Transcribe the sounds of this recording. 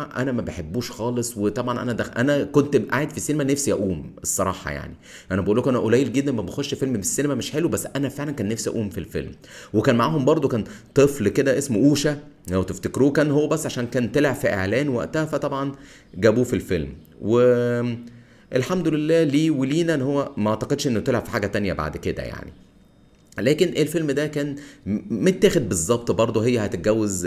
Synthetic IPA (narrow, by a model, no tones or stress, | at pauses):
ʔænæmæbeħebːuːʃxɑːlesˤwet̪ˤɑbʕɑnʔæ̰næd̪æʔænækont̪ʔaʕed̪fisːinemænæfsiʔæʔuːmesˤːɑɾˤɑ̰ːħɑ̰ja̰ʕni | ʔænæbeʔuːlːokʔænæʔolæjelɡed̪ːænmæbexoʃʃfelmbesːinemæmeʃħelwebæsːʔænæfeʕlænkæːnːæfsiʔæ̰ʔuːmfilfḛlm | wekæːnmaʕaːhombɑɾˤd̪ˤokæːnt̪ˤɨflked̪æʔesmʔuːʃææwt̪eft̪ekɾuːkæːnhowːæbæsːʕaʃæːnkæːnt̪elʕefiʔḛʕlæːnwæ̰ʔt̪æhæfæt̪ˤɑbʕɑn | ɡæbuːfilfelm | we | ʔelħamd̪olelːæːliːweliːnæʔnːhowːæmæʔɑʕt̪ɑqed̪ʃʔenːot̪elʕefi̥ħaːɡæt̪ænjæ̰ba̰ʕd̪ked̪æ̰ja̰ʕnḭ | læːkenʔelfelmd̪ækæːnmet̪ːæːxed̪̚bezˤːɑbt̪ˤbɑɾˤd̪ˤoɦejːæhæt̪et̪̚ɡæwːez